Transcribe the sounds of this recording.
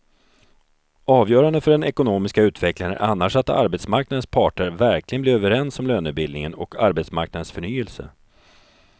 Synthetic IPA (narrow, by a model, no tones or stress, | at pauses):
ɑːvjœːɾand̪əfœɖɛnɛkʊnoːmɪskaʉ̟ːt̪vɛklaɾə̰ʔa̰nːaʂat̪a̰ɾbɛt̪smaɾknad̪ənspʰɑːʈəɾvæɾklɪɡənlɪːɾøːvəɾɛnsɔmløːnʉ̟ːt̪̚bɪld̪nɪŋənɔkʰaɾbɛt̪sma̰ɾk̚nad̪ənsfœɳyːɛlsə̰